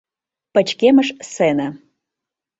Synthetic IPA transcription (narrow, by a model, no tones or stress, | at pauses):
pɐt͡ʃʰkʲemɐʂsena